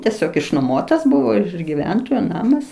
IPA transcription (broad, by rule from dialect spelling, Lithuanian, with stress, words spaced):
tʲiɛˈsʲoːk ɪʃnoːˈmoːtɐs ˈbʊʋoː ɪʃ ɪʃ ɡʲɪˈʋʲɛntoːjoː ˈnɑːmɐs